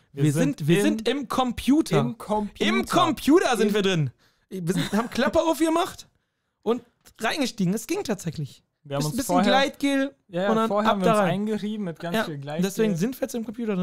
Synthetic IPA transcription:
viːɐzɪntviːɐzɪntɪmkʰɔmpʰjuːtʰɐkʰɔɪmkʰɔmpʰjuːtɐzɪntv̥iːɐdʁɪn | viːɐzɪnaːmkʰl̥apɐaʊfɡəmaχt | ʔʊnt | ʁaɪnɡəʃtiːɡŋ̩ɛsɡ̥ɪŋtʰaːtz̥ɛçlɪç | viəɐhamʊnbɪsfənɡlaɪtɡ̥eːljajʊndanhaamdaʁaɪaɪnɡəʁiːbm̩mɪt̚ɡ̥anjaːiːlɡlaɪd̥ɛsv̥eːɡŋ̩zɪntviːɐjɛt͡sɪmkʰɔmpʰjuːtɐdʁɪn

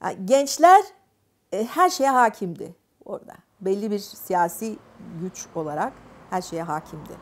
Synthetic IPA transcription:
a̰ɟɛnt͡ʃlʲæɾ | ɛhæɾʃe̞jɛɦaːcʰimd̪ɪ̰ | o̞ɾd̪a̰ | bɛlʲːibiɾsijaːsiː | ɟyt͡ʃo̞lˠaɾakhæɾʃe̞jɛɦaːcʰimd̪ɪ̰

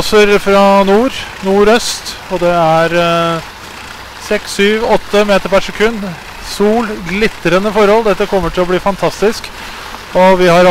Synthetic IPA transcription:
səɾfɾɑnuːɾnuːɾœst̪ɔd̪ɛæɾ | sɛkssyːʋɔt̪ːəmeːt̪əɾpæʂɛkʰʉnː | suːlɡlɪt̪ːəɾənəfɔɾhɔld̪ɛt̪ːəkʰɔmːəʈʰɪlɔbliːfɑnt̪ʰɑst̪ɪsk | ɔʋɪhɑɾɑ

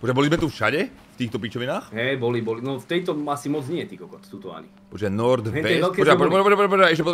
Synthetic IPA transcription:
pɔʒabɔlizmɛt̪ufʃa̰ɟɛ | ft̪iːxt̪ɔpit͡ʃɔʋinaːxɦɛjbɔlibɔlinɔft̪ɛjt̪ɔasimɔd͡zɲɪɛt̪ikɔkɔt̪t̪uːt̪ɔa̰ɲḭpɔʒanɔɾd̪ɛɛɛɛlpkɛɔd͡ʒapɔɔʒɛpɔʒapɔʒɛapɔd͡ʒaɛʃɛpɔd̪

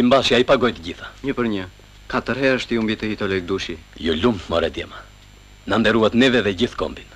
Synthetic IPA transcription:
imbaʃiaipaɡɔjt̪əɟiθḁɲəpəɾɲə | kat̪əɾɦɛəʃt̪iumbit̪əhit̪ɔlɛk̚d̪uʃijɔlummɔɾɛd̪jɛma | nand̪ɛɾuat̪nɛvɛðɛɟiθkɔ̰mbin

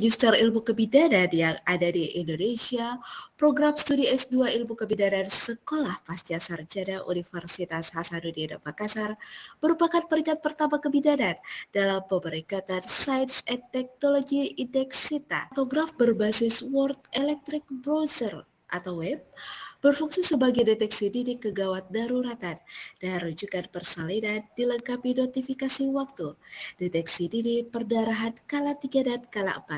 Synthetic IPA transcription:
d͡ʒist̪ərilmukəbidanadijaŋadadiʔindonesiapɾoɡɾamst̪udiɛsduailmukəbidanansəkolahpast̪iasard͡ʒadaʔṵnifərsit̪ashasadudieɾopakasarbəɾupakanpəɾiŋat̪̚pərt̪amakəbidanandalampəmbəɾikat̪ansajdsɛnt̪ɛk̚noloɡiindɛksit̪a̰t̪oɡɾafbərbasɪswɔrt̪ɛlɛk̚t̪ɾɪk̚bɾozər | ʔa̰t̪awɛb̚bərfuŋsisəbaɡajdet̪ɛksidiɾikəɡawat̪̚daɾuɾat̪andarud͡ʒukanpərsalinandiləŋkapinot̪ifikasiwak̚t̪udet̪ɛksidiɾipərdaɾaɦankalat̪iɡadankala̰ʔəmpat̪̚

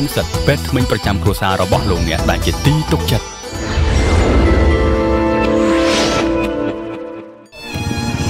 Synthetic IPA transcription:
nsət̪̚pɛət̪̚t̪ʰmɨɲprɑt͡ɕamkruəsaːɾɔɓɑhloːk̚nɛ̆əʔɗaɛnt͡ɕiət̪iːt̪uk̚t͡ɕət̪̚

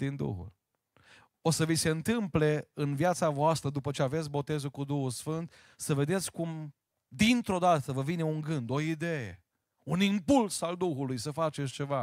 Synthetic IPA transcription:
d̪ind̪ṵxṵl | osəvise̞ɨnt̪ɨmple̞ɨnvjat̪savoast̪ɾəd̪upət͡ʃeave̞t̪sʲbo̞t̪e̞zukud̪uxulsfɨnt̪ | səve̞d̪e̞t̪sʲkum | d̪int̪ɾo̞d̪at̪əvəvine̞uŋɡɨnd̪o̞id̪ejḛ | unimpulsald̪uxulujsəfat͡ʃesʲt͡ʃe̞va

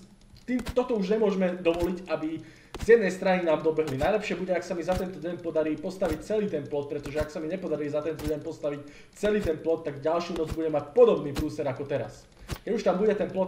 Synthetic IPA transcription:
t̪iːmt̪ɔt̪ɔuʒɲɛmʊɔʒmɛd̪ɔʋɔliɟabi | zjɛd̪nɛjst̪ɾaɲinaːmd̪ɔbɛɦlinajlɛpʃɪɛbuɟɛaksamizat̪ɛnt̪ɔdɛnpɔd̪aɾiːpɔst̪aʋic̚t͡sɛliːt̪ɛnplɔt̪̚pɾɛt̪ɔʒɛaksamiɲɛpɔd̪aɾiːzat̪ɛnt̪ɔdɛnpɔst̪aʋic | t͡sɛliːt̪ɛnplɔt̪ːaɡɟalʃjunɔd͡zbuɟɛmacpɔd̪ɔbniːpɾuːsɛɾakɔt̪ɛɾa̰s | kɛɟuʃt̪ambuɟɛt̪ɛnplɔt̪

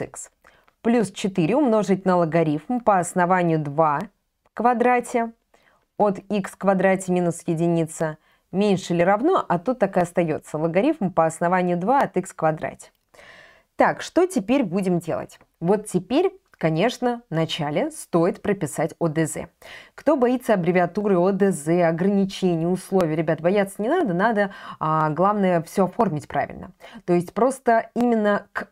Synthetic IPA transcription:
ɨ̰ks | plʲust͡ɕɪt̪ɨɾʲɪʊmno̞ʐɨt̚ʲnəlˠəɡɐɾʲifmpəɐsnɐvanʲɪjʊd̪va | kvɐd̪ɾatʲɪ | ot̪ikskvɐd̪ɾatʲɪmʲinʊsjɪdʲɪnʲit̪sə | mʲenʲʂɨlʲɪɾɐvno̞ʔɐt̪ut̪ːakɨɐst̪ɐjo̞̰t̪səlˠəɡɐɾʲifmpəɐsnɐvanʲɪjʊd̪vaɐt̪ɨkskvɐd̪ɾa̰tʲɪ̥ | t̪ːakʂt̪o̞tʲɪpʲeɾʲbudʲɪmdʲe̞̰lˠə̰tʲ | vo̞t̪tʲːɪpʲeɾʲ | kɐnʲe̞ʂnənɐt͡ɕalʲɪst̪o̞ɪt̪pɾəpʲɪsatʲod̪ɛzɛ̰kt̪o̞bɐit̪sːəɐbɾʲɪvʲɪɐt̪uɾɨod̪ɛzɛɐɡɾənʲɪt͡ɕenʲɪjəʊslˠovʲɪjɾʲɪbʲat̪bɐjat̪sənʲɪnad̪ənad̪əaɡlˠavnəjəfsʲoɐfo̞rmʲɪtʲpɾa̰vʲɪ̰lʲnə̰t̪o̞ɪsʲtʲpɾo̞st̪əimʲɪnːək

